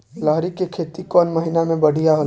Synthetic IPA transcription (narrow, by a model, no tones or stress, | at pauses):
laɦɾikekʰeːt̪ikɔːnmɐɦɪnamẽbɐɽ̤ʱijaɦo